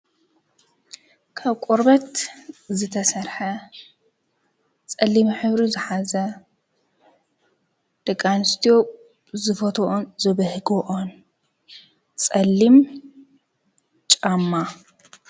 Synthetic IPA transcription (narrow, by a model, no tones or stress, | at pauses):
kʰaβkʷʼoɾbɐt̪zɨt̪ʰɐsɐɾħɐ | t͡sʼɐlːimħɨβɾuzɨħazɐ | d̪̥ɐkʼːanɨst̪ʰijo̞ | zɨfɐt̪ʰoʔonzɨβɐhɡoʔon | t͡sʼɐlːim | t͡ʃʼamːa